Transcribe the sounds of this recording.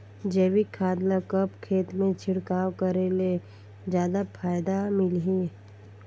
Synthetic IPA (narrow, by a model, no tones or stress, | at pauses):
d͡ʒeʋikʰaːd̪lakəpkʰeːt̪mẽt͡ʃʰɪɽkaːwkəɾele | d͡ʒjaːd̪apʰaːjd̪amɪlɦi